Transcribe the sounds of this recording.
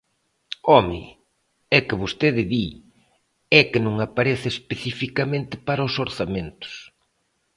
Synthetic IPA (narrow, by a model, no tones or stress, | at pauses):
ɔmɪ̰ | ɛkɪβost̪eðɪði | ɛkɪnõŋapaɾɛθɪespeθifikamẽnt̪ɪpaɾɐʊsoɾθamẽnt̪ʊ̥s